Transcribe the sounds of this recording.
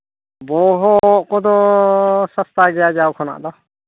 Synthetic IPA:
boːɦokoːd̪oːsəst̪aːɡɪjaːd͡ʒaːokʰona̰ːʔd̪aː

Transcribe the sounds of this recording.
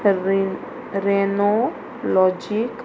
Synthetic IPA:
ɾeno | lɔd͡ʒik

